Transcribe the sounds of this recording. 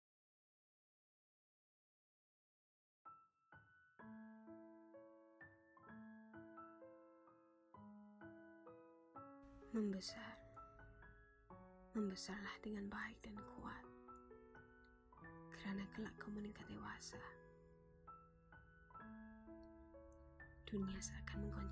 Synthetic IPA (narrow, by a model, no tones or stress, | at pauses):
mənbəsar | məmbəsarlahdəŋanbaɪk̚dankʰuat̪̚ | kəɾanakəlaʔkəməniŋkat̪̚dewasa | d̥uniasakanməŋɡɔɲ